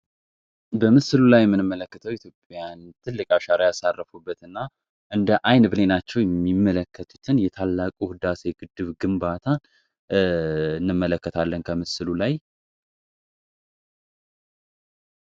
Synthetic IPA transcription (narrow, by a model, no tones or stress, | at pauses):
bəmɨsɨlulajɛmːɨnɨmːələkːət̪ʰəwit̪jo̞pʼjant̪ʰɨlːɨkʼaʃaɾajasarːəfubːət̪ɨnːa | ʔɨnd̪əʔajnbɨnenat͡ʃːɛwjɛmːimːələkːət̪ʰu̥t̪ʰɨnjɛt̪ʰalːakʼuhɨd̪aseɡ̥ɨd̪ɨβɡɨmbat̪ʰa | ɨnːɨmːələkːət̪ʰalːənkʰəmɨsɨlulaj